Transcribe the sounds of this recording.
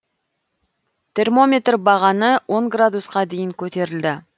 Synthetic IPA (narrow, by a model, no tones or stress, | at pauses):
t̪ʰe̞rmo̞mʲe̞t̪rbɑʁɑnəwʔo̞ŋɡrad̪usqɑd̪e̞jɪŋkʲʰɵt̪e̞ɾɪld̪ɪ